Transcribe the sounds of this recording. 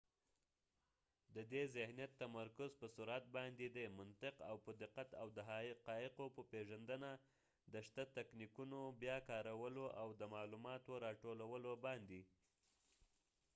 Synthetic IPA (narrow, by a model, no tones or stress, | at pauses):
d̪əd̪ezɪhnijat̪ːamaɾkʊzpəsʊɾat̪̚bɑnd̪ed̪emʊnt̪ɪqa̰wpəd̪ɪqat̪awd̪əɦɑqɑɪqopəpeʒand̪əna | d̪əʃt̪at̪aknikunobjɑkɑɾawəloʔawd̪əmɑlumɑt̪oɾɑʈolawəlobɑnd̪i